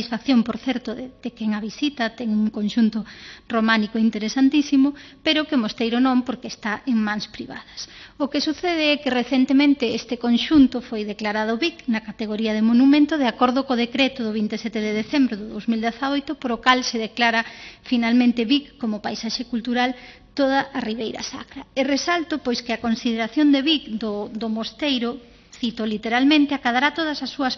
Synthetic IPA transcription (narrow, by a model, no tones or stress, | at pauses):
isfakθjompoɾθɛɾt̪ʊðed̪̥ekɛŋɐβisit̪ɐt̪ɛŋuŋkonʃunt̪ʊromanikoint̪eɾesant̪isimʊpeɾʊkemost̪ejɾonõmpoɾkeːst̪aʔeŋmãŋspɾiβa̰ðɐsokesuθeðeɛkereθent̪emẽnt̪ɪest̪ekonʃunt̪ʊfojðeklaɾaðʊβiknɐkat̪eɣoɾiɐðemonumẽnt̪oð̞eakoɾðʊkoðekɾɛt̪ʊðʊβint̪esɛt̪eðeðeθembɾoðʊðowzmild̪eθaojt̪ʊpoɾokalseðeklaɾɐfinalmẽnt̪ɪβikːomʊpajsaʃekult̪uɾal | t̪oð̞ɐʔːriβ̞ejɾɐ̰sa̰kɾɐeresalt̪opojskɪɐkonsiðeɾaθjond̪eβikd̪od̪omost̪ejɾʊ | θit̪olit̪eɾalmẽnt̪ɪakaðaɾat̪oð̞ɐsɐsːuɐs